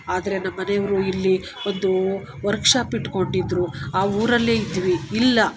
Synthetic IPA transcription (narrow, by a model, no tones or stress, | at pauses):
aːd̪ɐɾe̞nːɐmːɐnejɐʋɐɾuilːi | o̞nd̪u | ʋɐɾkʂaːpiʈːko̞ɳɖid̪ɾuaːuːɾɐlːe̞ːid̪iʋiilːɐ